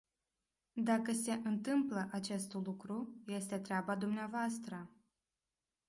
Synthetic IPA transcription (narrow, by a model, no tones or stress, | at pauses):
d̪akəse̞ʔɨnt̪ɨmpləʔat͡ʃe̞st̪lukɾuje̞st̪e̞t̪ɾeabad̪umneavoast̪ɾə